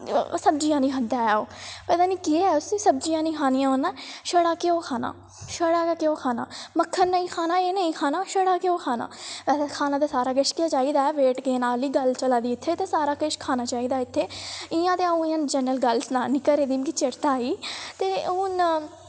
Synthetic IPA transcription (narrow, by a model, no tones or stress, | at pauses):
səb̚d͡ʒiːjãːnĩːɦənd̪aːɛːoːpɛːt̪aːniːkiɛʊsiːsəb̚d͡ʒijãːnĩːkʰaːnijãːonːãːʃəɽaːkeoːkʰaːna̰ː | ʃəɽaːkeːkeoːkʰaːna̰ːməkʰːəɾnəĩːkʰaːnaːeːnəĩːkʰaːnaːʃəɽaːkeoːkʰaːna̰ːʋɛːseːkʰaːnãːt̪̬eːsaːɾaːk̬əʃkɪaːt͡ʃaːiːd̪aːɛːʋeːʈɡeːnaːliːɡəlt͡ʃəlaːd̪iːɪt̪ʰːeːt̪eːsaːɾaːkəʃkʰaːnaːt͡ʃaːiːd̪aːɪt̪ʰːeːɪːãːt̪eːaũːɪãːnd͡ʒɛːnəlɡəlsnaːniːkəɾeːd̪iːmkit͡ʃɪɾt̪aːiːt̪eːʊn